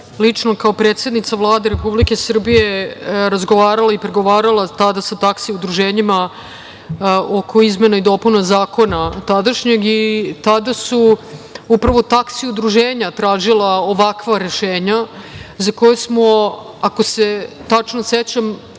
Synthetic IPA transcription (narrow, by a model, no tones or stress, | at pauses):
lit͡ʂnokaopɾet̪se̞d̪nit̪savlˠaːd̪eɾepublike̞sr̩bije̞ɾazɡoʋaːɾalaipɾe̞ɡo̞ʋaːɾalˠat̪ad̪asat̪aksiud̪ɾuʒeːɲima | okʰo̞izme̞naid̪o̞ːpunazaːko̞nat̪ad̪aʃɲe̞ɡit̪ad̪asuupɾaʋo̞t̪aksiud̪ɾuʒeːɲat̪ɾaːʒilaoʋakʋaɾe̞ʃeːɲazako̞jesmo̞ | ako̞se̞t̪at͡ʂnoset͡ɕam